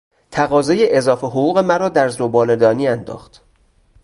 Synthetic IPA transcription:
t̪ʰæɣɒːzɒːjeʔezɒːfeɦoɣuːɣe̞mæɾɒːd̪æɾzobɒːled̪ɒːniːænd̪ɒ̰ːxt̪

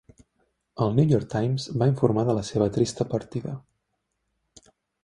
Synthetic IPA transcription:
əlˠnujɔɾk̚t̪ajmzbaiɱfuɾmaðələseβ̞ət̪ɾist̪əpəɾt̪iðə

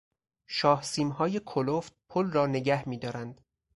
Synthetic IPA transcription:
ʃɒːhsiːmɦɒːje̞kʰoloft̪̚pʰolrɒːne̞ɡæhmiːd̪ɒːɾænd̪̥

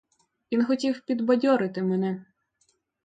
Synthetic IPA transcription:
ʋʲinxɔtʲiwpʲid̪bɐdʲɔɾɪt̪ɪmɛnɛ

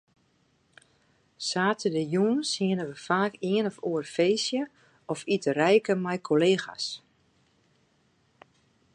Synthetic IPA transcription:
saːtʰədəjuːənshɪənəʋəfaːkɪənɔfuərfeːsjə | ɔfitərɛjkəmɛjkʰoleːxa̰s

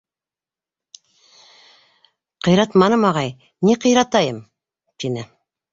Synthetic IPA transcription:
qɤ̆jɾɑt̪mɑnɤmɑʁɑj | niqɤ̆jɾɑt̪ɑjɤm | t̪inɘ

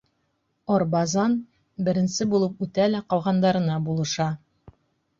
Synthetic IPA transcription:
ɒɾbɑzɑn | bɘ̆ɾɘ̆nsɘbulˠɤpʉt̪ælæqɒw̪ˠʁɑnd̪ɑɾɤ̆nɑbulˠɤ̆ʃɑ

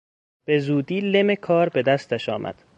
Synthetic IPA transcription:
b̥e̞zuːd̪iːle̞mekʰɒːɾbe̞d̪æst̪æʃɒːmʔæ̰d̪̥

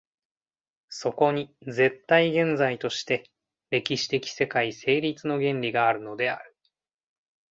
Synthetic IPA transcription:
so̞ko̞ɲ̟id͡ze̞t̪ːaiɡẽ̞nd͡zait̪o̞ɕi̥t̪e̞ | ɾe̞kʲiɕi̥t̪e̞kʲi̥se̞kaise̞ːɾʲit͡sɨno̞ɡẽ̞nɾʲiɡaːɾɯ̟no̞d̪e̞a̰ɾɯ̟

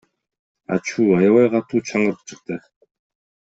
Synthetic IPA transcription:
a̰t͡ɕʰuːajawæːɢat̪ʰuːt͡ɕʰaɴɢə̆rt͡ɕɪ̆χt̪ʰæː

